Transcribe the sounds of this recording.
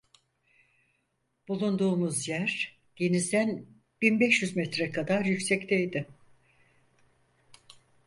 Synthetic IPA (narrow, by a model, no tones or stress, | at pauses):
b̥ulˠund̪uːmuzjæɾ̥ | ɟ̥enizd̪æn | b̥inbɛʃjyzmɛt̪ɾɛkʰad̪aɾjycsɛct̪ʰejd̪ɪ